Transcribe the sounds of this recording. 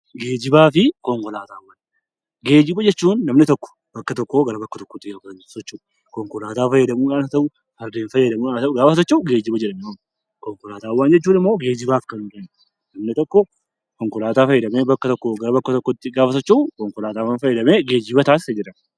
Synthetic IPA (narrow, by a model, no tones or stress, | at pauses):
ɡe̞ːd͡ʒɪbaːfɪkɔŋkɔlaːt̪aːwːaːn | ɡe̞ːd͡ʒɪbɐd͡ʒɛt͡ʃːuːnːɐmnɪt̪ɔkːɔ̥ | b̥ɐkːɐt̪ɔkːoːɡɐɾɐbɐkːɐt̪ɔkːɔ̥t̪ːɪɡaːkɐnsɔt͡ʃːuː | kɔŋkɔlaːt̪aːfɐjːɐd̪ɐmuːᶑaːnɐt̪ɐʔʊ | hɐɾd̪eːnfɐjːɐd̪ɐmuːaɐɡaːfɐt̪ɔt͡ʃːɐʊɡe̞ːd͡ʒɪbɐd͡ʒɛᶑɐmɛmɐm | kɔŋkɔlaːt̪aːwːaːnd͡ʒɛt͡ʃːuːnɪmːo̞ːɡe̞ːd͡ʒɪbaːfkɐnʊkɐn | nɐmnɪt̪ɔkːɔ | kɔŋkɔlaːt̪aːfɐjːɛd̪ɐmeːbɐkːɐt̪ɔkːoːɡɐɾɐbɐkːɐt̪ɔkːɔt̪ːɪɡaːfɐt̪ɔt͡ʃːɐʊkɔŋkɔlaːt̪aːwɐnfɐjːɛd̪ɐmeːɡe̞ːd͡ʒɪbɐt̪aːssɐd͡ʒɪɾɐn